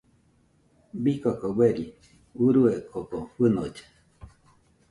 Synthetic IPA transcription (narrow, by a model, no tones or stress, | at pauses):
bikokoweɾi | uɾuekʰokoɸɨnod͡ʒe̥